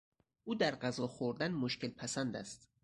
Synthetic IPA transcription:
uːd̪æɾɢæzɒːxoɾd̪ænmoʃcelpʰæsænd̪æ̰st̪

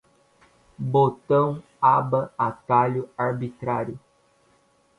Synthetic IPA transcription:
bot̪ɐ̃w̃ | abɐat̪aʎʊaɾbit̪ɾaɾjʊ

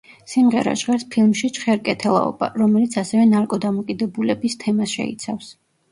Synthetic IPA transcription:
simʁɛɾa̰ʃʁɛɾspʰilˠmʃit͡ʃʰʼχɛɾkʼɛt̪ʰɛlˠa̰ɔ̰b̥a̰ɾɔmɛlit̪sʰasɛvɛnaɾkʼɔd̪amɔkʼid̪ɛbulɛbist̪ʰɛmasʃɛ̰ḭt̪sʰafs

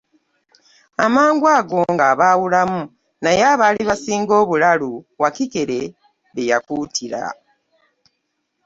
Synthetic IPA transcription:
amaːŋɡwaːɡo̞ŋɡaβaːwulamu | najaːβaːliβasiːŋɡo̞ːβulaluwakike̞ɾe̞ | βejakutʰiɾa̰

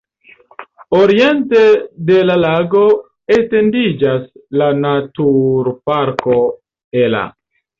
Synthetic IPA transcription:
o̞ɾie̞ntede̞lalaɡo̞ | ete̞ndid͡ʒaslanatuɾpaɾko | ela̰

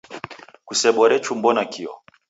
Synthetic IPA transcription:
kusɛɓɔɾɛt͡ʃumbɔnakiɔ̰

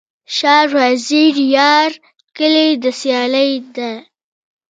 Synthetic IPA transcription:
ʃɑɾwaziɾjɑɾ | kəled̪əsjɑləjd̪a

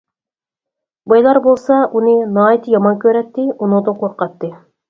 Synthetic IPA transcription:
bɑjlˠɑɾbolˠsɑʔunɨnɑːt̪jɑmɑnkʲʰøɾɛt̪ːɪunud̪oqʰoɾqɑt̪ːɨ

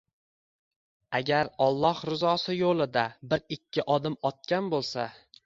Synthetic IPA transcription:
aɡʲaɾɒlˠːɒhɾɪzɒsɪjolˠɪd̪abɪɾɪkʲʰːɪʔɒd̪ɪmɒt̪̚kʲanbolˠsa̰

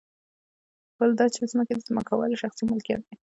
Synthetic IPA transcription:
b̥əld̪ɑt͡ʃepəsimaked̪əzama̰kawɑ̰liʃaxsimʊlkijɑ̰t̪̚d̪e

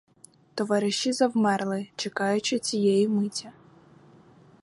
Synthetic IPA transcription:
t̪ɔʋɑɾɪʃizɐwmɛrlˠɪt͡ʃekɑjʊt͡ʃɪt͡sʲijɛjimɪtʲːɐ

